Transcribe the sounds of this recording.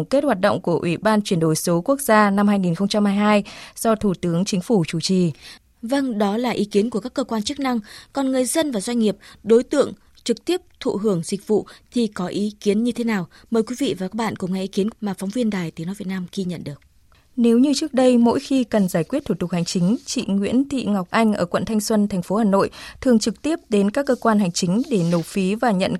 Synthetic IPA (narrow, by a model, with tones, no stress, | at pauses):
ŋ͡mke˦˥t̚hwaː˨˩t̚ɗə̰˧˨wŋ͡mku˧˩əʔwi˧˩ɓaː˧nt͡ɕwi˧˩ənɗo˧˩jso˨˦ku˦˥ək̚zaː˧na˧mhaː˧jŋi˨˩nxə˧wŋ͡mt͡ɕa˧mhaː˧jɦaː˧jz̥ɔ˧t̪ʰu˧˩t̪ɨ˨˦əŋt͡ɕï˨˦ŋ̟fu˧˩t͡ɕu˧˩t͡ɕi˨˩ | və˧ŋɗɔ˨˦laː˨˩ʔi˨˦ki˨˦ənku˧˩əkaː˦˥kːəː˧kwaː˧nt͡ɕɨ˦˥k̚na˧ŋkɔ˨˩nŋɨ˨˩əjzə˧nvaː˨˩zwa˧ŋ̟ŋi˨˩əp̚ɗo˨˦jt̪ɨ̰˧˨əŋ | t͡ɕɨ˨˩k̚t̪i˦˥əp̚t̪ʰṵ˧˨ɦɨ˧˩əŋzï˨˩k̟̚vṵ˧˨t̪ʰi˨˩kɔ˨˦ʔi˨˦ki˨˦ənɲɨ˧e˨˦naː˨˩w | məː˨˩jkwi˨˦vḭ˧˨vaː˨˩kaː˦˥k̚ɓa̰ː˧˨nkʊ̰˧˩˨ŋ͡mŋa˨˧˩ʔi˨˦ki˨˦ənmaː˨˩fa˨˦wŋ͡mvi˧ənɗaː˨˩jt̪i˨˦no˨˦jvt̚naː˧mɣi˧ɲə̰˧˨nɗɨ˨˩ək̚ | ne˨˦wɲɨ˧t͡ɕɨ˦˥ək̚ɗə˧jmo̰˧˥jxi˧kə˨˩nzaː˧˩jkwt̪ʰu˧˩t̪ʊ˨˩k̚ha˨˩jŋ̟t͡ɕï˨˦ŋ̟t͡ɕḭ˧˨ŋwḭ˧˥ənt̪ḭ˧˨ŋa˨˩wk͡p̚ʔa˧jŋ̟ʔəː˧˩kwə̰˧˨nt̪ʰa˧jŋ̟swə˧nt̪ʰjŋ̟fo˨˦haː˨˩no̰˧˨jt̪ʰɨ˨˩əŋt͡ɕɨ˨˩k̚t̪i˦˥əp̚ɗe˨˦nkaː˦˥kːəː˧kwaː˧nha˨˩jŋ̟t͡ɕï˨˦ŋ̟ɗe˧˩no˨˩fi˨˦vaː˨˩ɲə̰˧˨n